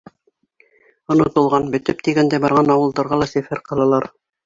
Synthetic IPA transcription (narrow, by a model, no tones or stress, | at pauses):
ŏnŏt̪ɤ̆lˠʁɑnbɵ̆t̪ɘp̚t̪iɡænd̪æjbɑɾʁɑnɑwɤ̆lˠd̪ɑɾʁɑlˠɑsɘ̆fɘɾqʰɑlˠɑlˠɑɾ